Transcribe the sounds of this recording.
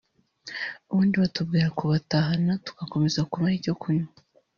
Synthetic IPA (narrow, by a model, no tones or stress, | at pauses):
uβuːndiβatub̚ɡiːɾakuβataːɦanatu̥kako̞me̞zakuβahiɟo̞kʰuɲa